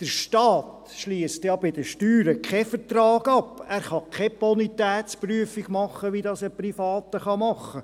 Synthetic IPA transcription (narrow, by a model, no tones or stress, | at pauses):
d̥əɾʃtɑːt | ʃliəstjɑbɪd̥əʃtyːɾəkʰɛfəɾtrɑːɡɑpæːɾχɑkʰɛpɔnit̪ɛːtt͡spryəfɪɡ̥mɑχːəʋidɑsəprifɑːt̪əχɑmɑχːə